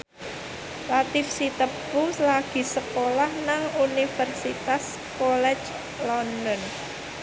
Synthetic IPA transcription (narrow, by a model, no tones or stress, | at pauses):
lat̪ifsit̪əp̚kulaɡ̥i̤səkolahnaŋunifərsit̪as | kɔlɛ̥t͡ʃ | lɔndɔn